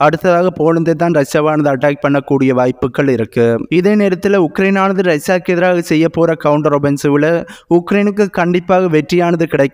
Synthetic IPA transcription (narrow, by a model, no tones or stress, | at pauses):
ɐɽɯt̪ːɐðaːɣɐpoːlɐnd̪et̪ːaːnɾɐsaːʋaːnɐðɯɐʈːaːk̚pɐɳːɐkːuːɽɪjɐʋaːjpːɯkːɐɭɪɾɯkːɯɪðeːneːɾɐt̪ːɪlʊkːɾɐɪnaːnɐðɯɾɐsjaːkːɛðɪɾaːɣɐsɛjːɐpːoːɾɐkɐʋʊɳɖɐɾɔbɛnsɯʋɪlɐʊkːɾɐɪnɯk̬ːɯkːɐɳɖɪpːaːɣɐʋɛʈrɪjaːnɐðɯkɪɽɐɪkː